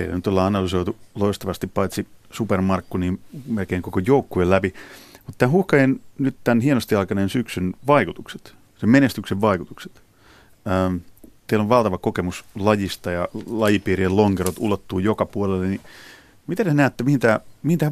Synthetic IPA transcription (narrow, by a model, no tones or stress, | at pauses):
ḛḭnyt̪olːɑɑnɑlysoit̪uloist̪ɑʋɑst̪ippɑit̪sisupermɑrkːuniːnmelkeiŋkokojoukːuelæpimut̪t̪æːhuhkɑennyt̪t̪ænhienost̪iɑikɑnensyksynʋɑikut̪ukse̥t̪ | semmenest̪ykseʋʋɑikut̪ukse̥t̪ | əːmt̪eiloʋʋɑlt̪ɑʋɑkokemuslɑjist̪ɑjɑlɑjipiːrieloŋkerot̪ṵlot̪ːuːjokɑpuolelːeni | mit̪ænenæːt̪ːemihint̪æːmihint̪æː